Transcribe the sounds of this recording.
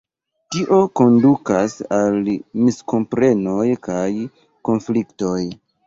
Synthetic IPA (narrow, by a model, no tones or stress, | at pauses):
tiʔo̞ko̞ndukasalmisko̞mpɾe̞no̞jkaj | ko̞nflikto̞j